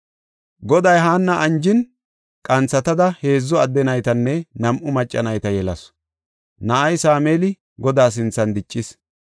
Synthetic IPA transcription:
ɡɔd̪ɐjɦaːnːɐʔɐnd͡ʒɪn | kʼɐnt͡sːɐt̪ɐd̪ɐhe̞ːzːɔɐd̪ːɛnɐjt̪ɐnːɛnɐmʔʊmɐt͡ʃʼːɐnɐjt̪ɐjɛlɐs | nɐʔɐjsaːmeːlɪ | ɡɔd̪aːs̬ɪnt͡sːɐnd̪ɪt͡ʃʼːɪs

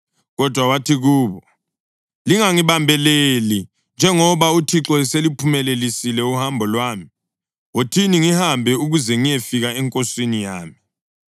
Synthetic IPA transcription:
ɣɔd̥ʱwawatʰiɣuːβɔ | liŋaŋiβambʱɛleli | nd͡ʒʱɛŋɔβautʰiǁɔselipʰumɛlelisilɛuhambʱɔlwaːmi | wotʰiniŋihambʱɛuɣuzɛŋijefiɣaɛŋkʼoswinijaːmi

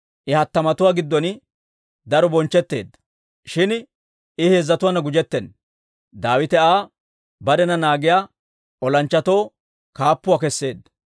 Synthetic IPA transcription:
ʔɪhɐt̪ːɐmɐt̪ʊwaːɡɪd̪ːɔn | d̪ɐɾɔbɔnt͡ʃːɛt̪ːeːd̪ːɐ̥ | ʃɪn | ʔɪhe̞ːzːɐt̪ʊwanɐɡʊd͡ʒɛt̪ːɛn | d̪aːwɪt̪ɛaː | bɐɾɛnɐnaːɡɪjaː | ʔɔlɐnt͡ʃːɐt̪o̞ː | kaːpːʊwaːkɛsːe̞ːd̪ːɐ

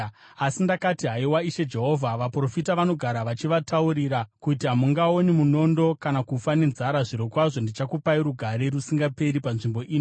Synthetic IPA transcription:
asindakatiɦaiwaiʃe̞d͡ʒe̞ɦo̞vʱaʋapro̞fitaʋano̞ɡʱaɾaʋat͡ʃiʋatauɾiɾakutiɦamuŋɡao̞nimuno̞ndo̞kanakufane̞nzaɾaʐiɾokwaʐo̞ndit͡ʃakupaiɾuɡʱaɾe̞ɾusiŋɡape̞ɾipanʐimbo̞ʔiːni

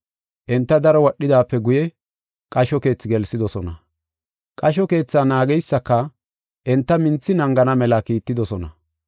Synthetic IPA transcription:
ʔɛnt̪ːɐd̪ɐɾɔwɔɗːɪd̪aːpːɛɡʊjɛ | kʼɐʃɔke̞ːt͡sːɪɡɛlsɪd̪ɔsɔnɐ | kʼɐʃɔke̞ːt͡sːaːnaːɡɛjsːɐkːɐ | ʔɛnt̪ːɐmɪnt͡sːɪnɐŋɡɐnɐmɛlɐkiːt̪ːɪd̪ɔsɔnɐ

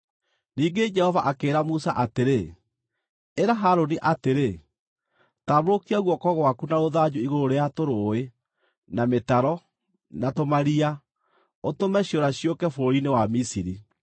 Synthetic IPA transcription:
niːŋɡed͡ʒɛhɔvaʔakeːɾamusaʔateɾe | eɾaɦaɾoniʔateɾe | taːβoɾokiaɣwɔkɔɣwakunaɾoðad͡ʑuiɣoɾoɾeatoɾoːe | nametaɾɔ | natomaɾia | otomɛɕjoɾaɕiokɛfoɾinewamisiɾi

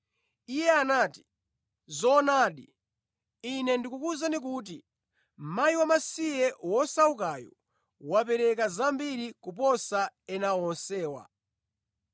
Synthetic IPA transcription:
ijɛanaːti̥ | zɔnaːɗi | inɛndikukuzanik̬ut̬i | m̩majiwamasijɛwɔsaukajɔ̰ | wap̬ɛɾɛkazambiɾikup̬ɔsaɛnawɔnsɛːwa̰

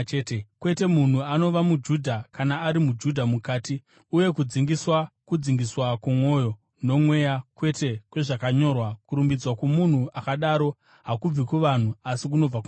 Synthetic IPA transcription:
tekwe̞te̞mun̤uano̞ʋamud͡ʒudʱakanaːɾimud͡ʒudʱamukaːti | uje̞kud͡ziŋɡiswakud͡ziŋɡiswakumwo̞ːjo̞ | no̞mwe̞jakwe̞te̞kwe̞ʐakaɲo̞rwakuɾumbid͡zwakumun̤uʔakaɗaːɾo̞ | ɦakub͡vikuʋan̤uasik̬uno̞b͡vaku

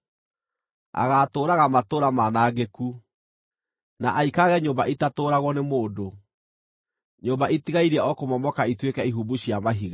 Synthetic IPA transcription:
a̰ɣaːtoːɾaɣamatoːɾamanaːɡeku | naʔaikaɣɛɲoːmbaʔitatoːɾaɣwɔnemoːdo | ɲoːmbaʔitiɣaiɾɛɔkomɔmɔkaitwekɛiɦubuɕjamaɦiɣa

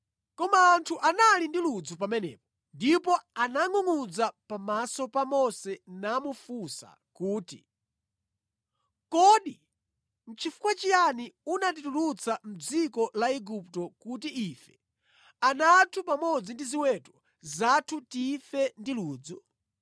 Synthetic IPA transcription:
kɔmaːntʰuʔanalindilud͡zup̬amɛnɛ̰ːp̚ɔ | ndipɔanaŋuŋud͡zapamasɔpamɔsɛnamufusa̰ | kuːti | kɔɗi | m̩t͡ʃʰifu̥kwat͡ʃijaniunat̬itulut͡sʰam̩d͡zikɔlaiɡup̚tɔkutiifɛ̥ | anatʰupamɔd͡zindiziwɛtɔ̥ | zatʰutifɛndiluːd͡zu

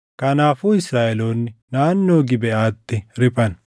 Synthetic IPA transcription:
kɐnaːfuːɪsɾaːɛloːnːɪnaːnːoːɡɪbɛaːt̪ːɪɾɪpʼɐn

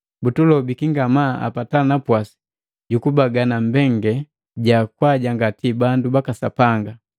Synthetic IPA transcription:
butulɔbikiŋɡamaa̰patanapwasi̥ | ɟukubaɡanambɛŋɡɛ | ɟakwaɟaŋɡatibandubakasa̰paŋɡa

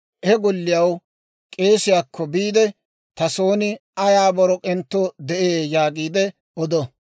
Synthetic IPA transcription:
ʔɛɡɔlːɪjɐw | kʼe̞ːsɪjaːkʰːɔbiːd̪ɛ | t̪ɐso̞ːnɪɐjaːbɔɾɔkʼɛnt̪ːod̪ɛʔeːjaːɡiːd̪ɛ | ɔd̪ɔ

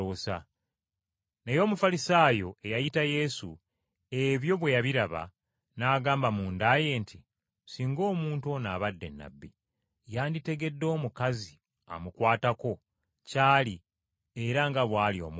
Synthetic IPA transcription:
oːsa̰ | nejo̞ːmufalisaːjo̞e̞jajitaje̞su | e̞βjo̞βwe̞jaβiɾaβa̰ | naːɡaːmbamuːndaːje̞ːntʰi | siːŋɡo̞ːmuːntuo̞naːβadːe̞̰nːa̰bːi | jaːndite̞ɡe̞dːo̞ːmukazi | a̰mukwaːtako̞ | caːli | e̞ɾaŋɡaβwaːlio̞̰ːmu

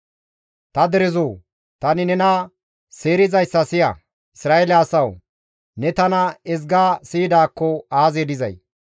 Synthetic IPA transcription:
t̪ɐd̪ɛɾɛzoː | t̪ɐnɪnɛnɐ | seːɾɪzɐjsːɐsɪjɐ̰ | ɪsɾaːʔelɪaːsɐw | nɛt̪ɐnɐɛzɡaːsiːd̪aːkːɔaːzeːd̪ɪzɐ̰j

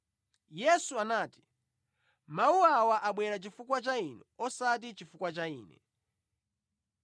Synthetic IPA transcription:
jɛsuanaːti̥ | mauawaʔaɓwɛɾat͡ʃifukwat͡ʃainɛɔsat̬it͡ʃifukwat͡ʃaḭːnɛ̰

